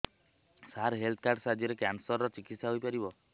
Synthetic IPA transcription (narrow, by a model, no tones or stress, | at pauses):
saɾɦelt̪ʰkaɾɖsad͡ʒiɾekansɔɾːɔt͡ʃikit̪saɦojpaɾibɔ